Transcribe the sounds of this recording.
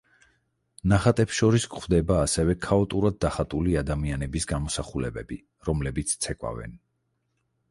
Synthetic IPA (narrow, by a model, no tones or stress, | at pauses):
naχat̪ʼɛpsʃɔɾiskʰχwd̪ɛbaːsɛvɛkʰaɔt̪ʼuɾad̪̚ːaχat̪ʼuliad̪amianɛbisɡamɔsaχulɛbɛbi | ɾɔmlɛbit̪sʰt̪sʰɛkʼwa̰vɛ̰n